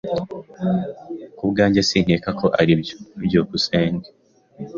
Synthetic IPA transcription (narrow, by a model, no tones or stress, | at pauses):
kuβɡaːɲɟesiːn̥eːkakʰo̞ʔaɾiβjɟoːkuseːŋɡe